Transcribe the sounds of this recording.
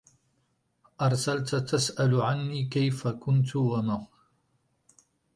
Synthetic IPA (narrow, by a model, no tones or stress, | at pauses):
ʔɑɾˤsalt̪t̪asʔalʕanːiːkajfakʊnt̪̬wama